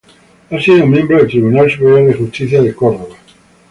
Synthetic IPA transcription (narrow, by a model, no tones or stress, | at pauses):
asiðomjẽmbɾoðelt̪ɾiβunalsupeɾjalðexust̪iθjaðekoɾðoβa